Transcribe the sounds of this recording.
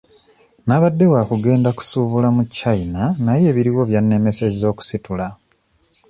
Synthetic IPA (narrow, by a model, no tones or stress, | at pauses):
naβadːe̞waːkuɡe̞ːndaku̥suːβulamucːainanaje̞ːβiɾiwo̞βjanːe̞me̞sezo̞ːku̥situla